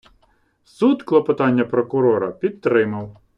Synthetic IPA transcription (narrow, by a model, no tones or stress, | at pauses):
sud̪klˠɔpɔt̪ɑnʲːɐpɾɔkʊɾɔɾɐpʲid̪̚t̪ɾɪmɐw